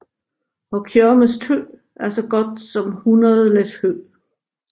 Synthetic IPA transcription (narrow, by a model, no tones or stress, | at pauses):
ɒ̽kʰjøməst͡sʰø̰ | æɐsɒ̽ɡ̥ɒ̽d̥sɒ̽mhunɐðˠəled̥hø̰